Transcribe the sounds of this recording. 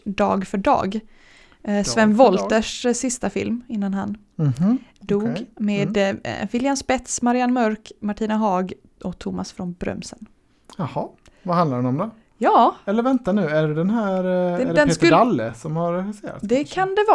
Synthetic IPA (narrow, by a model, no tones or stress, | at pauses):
d̪ɑ̰ːɡfœɖɑ̰ːɡ | svɛnːvɔlt̪əʂsɪst̪afɪ̰lmɪnːanɦan | d̪uːɡmeːd̪vɪljanspɛt̪smaɾɪanːmœɾkmaʈʰiːnaɦɑːɡ | ʔɔkt̪ʰʊma̰sfɾɔnbɾœ̰msə̰n | jahɑvahãnd̪aɾɖɛnɔmd̪ɛ | jɑːɛlːəɾvɛnt̪anʉ̟ːæɖɛd̪ɛnɦæːɾd̪ɛnest̪alːə̰sɔmhaɾɾɛxɪseːɾa̰t̪sd̪ɛkʰand̪ɛvɑ